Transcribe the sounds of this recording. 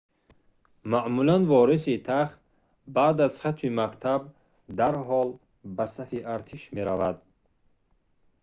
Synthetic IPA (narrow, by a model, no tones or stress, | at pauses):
maʔmulanvɔɾisit̪ʰaχt̪̚ | baːd̪azχat̪mimakt̪ʰab | d̪aɾɦɔl | basafiʔaɾt̪ʰiʃme̞ɾavad̪